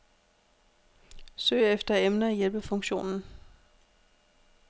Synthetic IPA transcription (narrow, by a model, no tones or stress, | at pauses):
sø̰ːɪefd̥ɐemnɐæjelb̥əfɔ̽ŋɕo̝̰ːnn̩